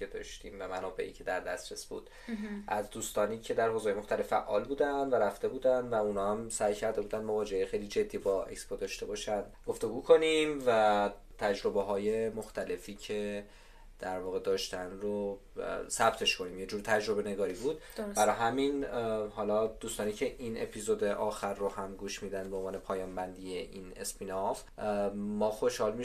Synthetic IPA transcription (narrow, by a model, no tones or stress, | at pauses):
ed̪ɒ̰ʃt̪iːmvæmænɒːbe̞̰ʔḭːcʰe̞d̪æɾd̪æst̪ɾesb̥ṵːd̪̥ | ʔæzd̪uːst̪ɒːniːcʰe̞d̪æɾɦoːzːjemoxt̪ælefːæʔːɒːlbuːd̪ænd̪væɾæft̪e̞buːd̪ænd̪væunɒːæmsæjcʰæɾd̪e̞buːd̪ænd̪mo̞vɒːd͡ʒeejexejlid͡ʒe̞d̪ːibɒʔe̞̰kspod̪ɒːʃt̪e̞bɒːʃænd̪ɡ̥o̞ft̪e̞ɡuːkʰo̞nimvæ | t̪ʰæd͡ʒɾo̞beɦɒːje̞moxt̪ʰæle̞fiːcʰe̞ | d̪̥æɾvɒːɣe̞d̪ɒːʃt̪ænro | sæb̥t̪ʰe̞ʃkʰo̞niːmje̞d͡ʒuːɾt̪ʰæd͡ʒɾo̞be̞ne̞ɡɒːɾibuːd̪̚b̥æɾɒɦæminhɒːlɒd̪̥uːst̪ɒːniːcʰe̞ʔinḛpʰizod̪e̞ʔɒːxæɾːohæmɡuːʃmiːd̪ænd̪beonvɒːne̞pʰɒːjɒːmbænd̪ijeʔine̞spʰinof | mːɒːxo̞ʃhɒːlmi